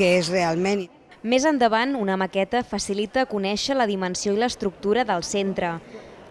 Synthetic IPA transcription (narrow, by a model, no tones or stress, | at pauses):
əezrealˠmen | mezənd̪əβ̞anunəməkɛt̪əfəsilit̪əːkunɛʃələðimənsioiləst̪ɾuk̚t̪uɾəðəlˠsent̪ɾə